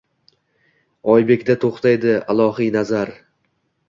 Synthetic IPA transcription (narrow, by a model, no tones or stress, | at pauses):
ɒjbe̞kʲd̪at̪ʰoχt̪ʰajd̪ɪalˠɒɦijnazaɾ